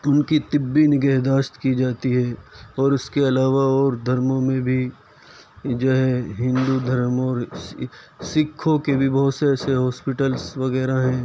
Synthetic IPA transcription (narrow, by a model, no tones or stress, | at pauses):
ʊnkit̪ɪbːinɪɡəɦd̪aːʃt̪kid͡ʒaːt̪iɦɛːɔːɾʊskeɐlaːʋaɔːɾd̪ʱɐɾmõmẽbʱi | d͡ʒoɦɛɦɪ̃nd̪ud̪ʱɐɾəmɔːɾ | sɪkʰːõkebʱibɐɦʊt̪sɛseɦɔːspɪʈəlsʋɐɣɛːɾaɦɛ̃ː